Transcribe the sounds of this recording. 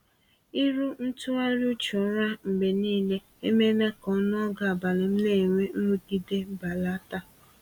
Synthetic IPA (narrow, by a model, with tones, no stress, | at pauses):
i˦ɾu˦n̩˦tu˦a˦ɾu˦t͡ʃɔ˨˦ɾa˦m̩˨be˨niː˦le˦ | e˦me˦ne˦kɔ˦n˦ɔ˦ɡa˨a˨ba˨lɪ˨m̩˦ne˦˨ŋʷe˦n̩˦ɾu˦ɡi˦de˦ba˨la˦ta˦